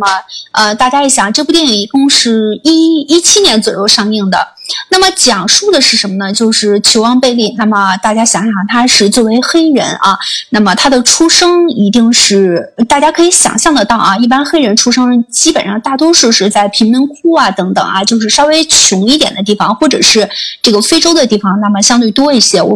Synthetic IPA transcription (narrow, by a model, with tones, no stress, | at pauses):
mə˩ə˧t̪a˥˩t͡ɕja˥jɛ˧˥ɕjɑ˨˩ŋʈ͡ʂɤ˥˧pu˥˩jɛ˥˩i˧˥kʊ˥˧ŋʂɻ̩˥˩i˥i˥t͡ɕʰi˥njɛ˧˥nt͡swɔ˨˩jo˥˧ʊʂɑ˥˧ŋi˥˩ŋd̪ə̰˩na˥˩mə˩t͡ɕjɑ˨˩ŋʂu˥˩d̪ə˩ʂɻ̩˥˩ʂə˧˥nmə˧nə˨t͡ɕjo˥˧ʊʂɻ̩˥˩t͡ɕʰjo˧˥ʊwɑ˥ŋpe˥˧ɪli˥˩na˥˩mə˩t̪a˥˩t͡ɕja˥ɕjɑ˨˩ŋɕjɑ˨˩ŋt̪ʰa˥ʂɻ̩˥˧t͡swɔ˥˩we˧˥ɪxe˥ɪɻə̰˧˥nʔɐ̰˧na˥˩mə˩t̪ʰa˥d̪ə˨ʈ͡ʂʰu˥ʂɤ˥ŋi˧˥t̪i˥˧ŋʂɻ̩˥˩t̪a˥˩t͡ɕja˥kʰɤ˧˥i˧˥ɕjɑ̰˨˩ŋɕjɑ˥˩ŋd̪ə˩t̪ɑ˥˩ʊʔɐ˩i˥˩p̬a˥nxe˥ɪɻə˧˥nʈ͡ʂʰu˥ʂɤ˥ŋt͡ɕi˥pə˨˩nʂɑ˥˧ŋt̪a˥˩t̪̬wɔ˥ʂu˥˧ʂɻ̩˥˧t͡sa˥˩ɪpʰi˧˥ŋmi˧˥nkʰu˥ɐ˨t̪ɤ˧˥ŋt̪ɤ̰˨˩ŋɐ˦t͡ɕjo˥˧ʊʂ̬ɻ̩˥˩ʂɑ˥ʊwe˥ɪt͡ɕʰʊ˧˥ŋi˥˩t̪jɛ˨˩nd̪ə˦t̪̬i˥˩fɑ˩ŋxwɔ˥˩ʈ͡ʂɤ̰˨˩ʂɻ̩˥˧ʈ͡ʂɤ˥˩ɡə˩fe˥ɪʈ͡ʂo˥ʊd̪ə˨t̪i˥˩fɑ˨˩ŋna˥˩mə˩ɕjɑ˥ŋt̪we˥˩ɪt̪̬wɔ˥i˥˩ɕjɛ˥˩